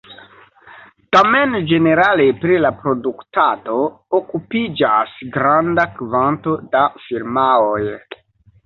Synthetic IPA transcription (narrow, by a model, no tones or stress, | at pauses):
tamend͡ʒe̞ne̞ɾalepɾilapɾo̞duktado | okupid͡ʒasɡɾandakvanto̞dafiɾmaoj